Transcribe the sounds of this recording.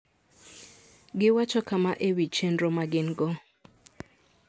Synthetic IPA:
ɡɪwat͡ʃɔkamaʔewit͡ʃendɾomaɡɪnɡɔ

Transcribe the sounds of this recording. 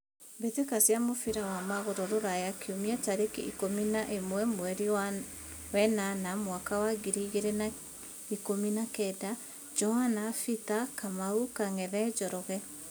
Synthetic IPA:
betwekasjamofiɾawamaɣoɾɔɾoɾajakʰeomiataɾekḛʔikominaʔemwɛmwɛɾi | wɛnanamwakawaɡiɾiɣeɾɛna | ikominakɛda | d͡ʒɔhanafit̪akamaukaŋɛðɛd͡ʒɔɾɔɣɛ

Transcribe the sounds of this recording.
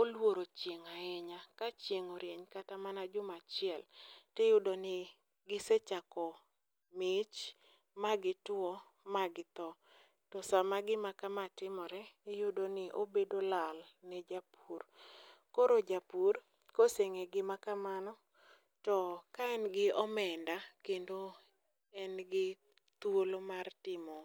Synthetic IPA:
olwoɾot͡ʃjeŋaɪɲakat͡ʃjeŋoɾjeɲkatamanad͡ʒʊmat͡ʃɪɛltɛjʊdonɪ | ɡɪsɛt͡ʃakɔ | mɪt͡ʃ | maɡɪtɔ | maɡɪt̪ɔ | tɔsamaɡɪmakamatɪmɔɾɛɪjʊdonɪʔo̰bedolalnɛd͡ʒapurkoɾod͡ʒapur | koseŋeɡɪmakamanɔ | tɔkaɛnɡɪɔmɛndakendo | ɛnɡɪ | t̪wolomartɪmɔ

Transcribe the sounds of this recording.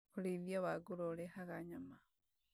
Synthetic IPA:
xuliðjaβaɡulolexaɣaɲama

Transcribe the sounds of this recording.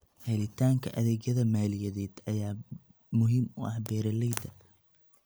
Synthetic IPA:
hɛlɪt̪ʰaːŋkʰɐʔɐðɛːɣjɐðɐmaːlɪjɐðɛːd̪̥ɐjaː | mʊɦiːmʊʔɑ̰hbɛːɾɐlɛjd̪ɐ

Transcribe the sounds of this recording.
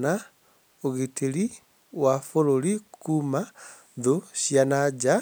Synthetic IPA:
na | oɣitʰeɾi | wafoɾoɾikuːma | ðoɕjanad͡ʒa

